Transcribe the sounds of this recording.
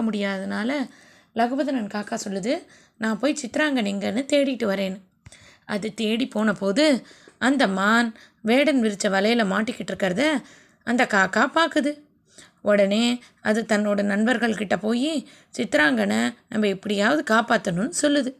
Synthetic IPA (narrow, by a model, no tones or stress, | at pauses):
ɐmʊɽɪjaːðɯnaːlɐ | lɐɣɯbɐðɐnɐnkaːkaːsɔlːɯðɯ | nãːpoːjt͡ʃɪt̪ːɪɾaːŋɡɐnɛŋɡɐnɯt̪eːɽɪʈːɯʋɐɾeːn | ʔɐðɯt̪eːɽipoːnɐpoːðɯɐnd̪ɐmaːn | ʋeːɽɐnʋɪɾɯt͡ʃːɐʋɐlɐjɪlɐmaːʈːɪkːɪʈːɾɯkːɐɾɐðɐ | ɐnd̪ɐkaːkaːpaːɾkɯðɯ | ʔɔɽɐneː | ɐðɯt̪ɐnːoːɽɐnɐnbɐɾɣɐɭkɪʈːɐpoːji | t͡ʃɪt̪ːɾaːŋɡɐnɐnɐmbɐɪpːɐɽɪjaːʋɐðɯkaːpaːt̪ːɐnɯnːɯsɔlːɯðɯ